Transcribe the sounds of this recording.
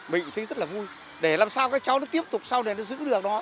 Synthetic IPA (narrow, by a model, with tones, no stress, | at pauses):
ɓḭ˧˨t̪ʰə˨˦jzə˦˥t̚laː˨˩vu˧j | ɗe˧˩laː˨˩msaː˧wkaː˨˥k̚t͡ɕa˨˦wnɔ˨˦t̪i˦˥əp̚t̪ʊ˨˩k͡p̚saː˧wɗe˧˩nɔ˨˦zɨ̰˧˥ɗɨ˨˩ək̚ɗɔ˨˦